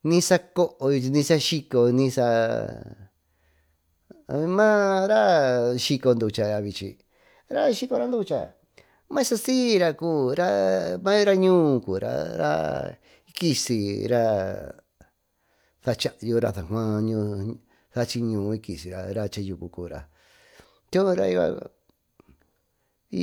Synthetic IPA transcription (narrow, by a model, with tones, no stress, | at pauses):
nĩ˦sa˦ko˦ʔo˧nĩ˧sa˦ʃi˧ko˧nĩ˧sa˧ | mã˦ɾa˦ʃi˧ko˧nd̪u˧t͡ʃa˧a˧βi˧t͡ʃḭ˧ | ɾa˦ʃi˧ko˧ɾa˦nd̪u˦˧t͡ʃa̰˧ | mã˦sa˧siː˦ɾa˧kuː˦˨ɾa˦mã˦jo˦ɾa˦ɲũː˦˧kuː˨ɾa̰˧ɾa̰˦ | i˧ki˧si˧ɾa˦ | θa˧t͡ʃa˦˧ʔju˧ɾa̰˧θa˨kʷã˦˧ɲũ˧ | θa˧t͡ʃi˧ɲũː˨˧i˧ki˨si˨ɾa˧ɾa˧t͡ʃa˧ju˧ku˧kuː˧˨ɾa̰˨ | t̪o˦ɾa˧i˧βa̰˧